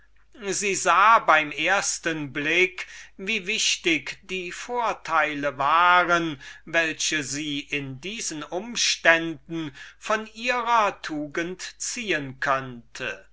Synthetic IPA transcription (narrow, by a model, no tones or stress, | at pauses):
ziːzaːbaɪmʔeːɐstənblɪkviːvɪʃtɪkd̥iːfoːɐtʰaɪləvaːʁənvɛlɕəziːʔɪndiːzənʊmʃtɛndn̩fɔnʔiːʁɐtʰuːɡəntt͡siːənkʰœntʰə